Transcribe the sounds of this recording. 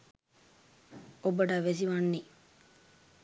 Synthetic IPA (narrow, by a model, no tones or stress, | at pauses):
obəɖɐʋes̬iʋanːi